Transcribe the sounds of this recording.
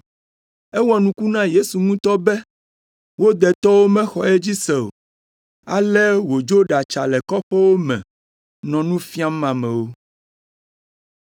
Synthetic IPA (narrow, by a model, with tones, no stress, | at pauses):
ɛ˦wɔ˦nũ˦ku˦nã˦je˦su˨ŋũ˦t̪ɔ˦bɛ˦ | wo˦d̪ɛ˨t̪ɔ˦wo˦mɛ̃˦xɔ˨ɛ˦d͡ʑi˦sɛ˨o̰˨ | a̰˨lɛ˦wo˨d͡ʒo˦ɖa˨t͡ʃa˨lɛ˨kɔ˦ɸɛ˦wo˦mɛ̰̃˨ | nɔ̃˨nũ˦fi˦a˦mã˨mɛ̃˨wo˦